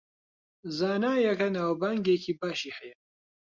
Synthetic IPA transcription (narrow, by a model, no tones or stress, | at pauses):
zaːnaːjɐkɐnaːwbaŋɡeːkʰiːbaːʃiːhɛjɐ